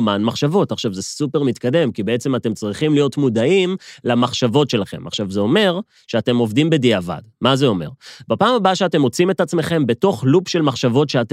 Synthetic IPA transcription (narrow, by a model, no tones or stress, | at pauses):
manmaχʃavo̞taχʃavzesupe̞ʁmit̪kad̪e̞mkibeet͡se̞mate̞mt͡sʁiχimlijotmudaimlamaχʃavo̞tʃe̞laχe̞̰maχʃavzeo̞me̞ʁ | ʃeate̞mo̞vdimbe̞diava̰dmazeo̞me̞̰ʁbapaːmabaʃeate̞mo̞t͡simetat͡sme̞χe̞mbe̞to̞χlupʃe̞lmaχʃavo̞tʃeat